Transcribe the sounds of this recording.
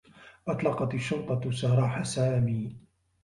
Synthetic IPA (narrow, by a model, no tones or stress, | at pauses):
ʔɑt̪ˤlɑqɑt̪ɪʃːʊlt̪ˤɑsaɾˤɑːħasaːmiː